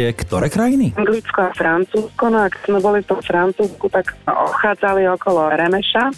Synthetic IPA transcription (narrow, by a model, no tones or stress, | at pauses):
ɛkt̪ɔɾɛːkɾajiniaŋɡlit͡skɔafɾant͡suːskɔnɔakz̥mɛbɔlift̪ɔmfɾant͡suːskut̪akzɛ̰ʔɔ̰pxaːd͡zaliɔkɔlɔɾɛmɛʃa